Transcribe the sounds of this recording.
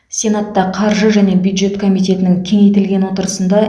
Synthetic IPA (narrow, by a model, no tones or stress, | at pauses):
sʲe̞nat̪ːɑqʰɑɾʒəʒæne̞bjud̪ʒe̞t̪kʰo̞mijt̪ʲe̞t̪ɪnɪŋkʲʰe̞ŋejt̪ɪlɡʲe̞nwo̞t̪əɾəsənd̪ɑ